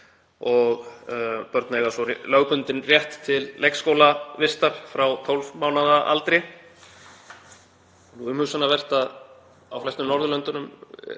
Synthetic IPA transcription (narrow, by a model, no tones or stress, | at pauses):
ɔɣpœɾt̪nejɣasɔlœːɣpʏnt̪ɪnrjɛht̪ʰːɪlːejkskowlavɪst̪aɾ̥fɾawt̪ʰowlvmaːwnaðaʔa̰lt̪ɾɪ | nuʏmhʏsanːavɛr̥t̪að | awflɛst̪ʏmnɔɾðʏlœnt̪ʏnʏm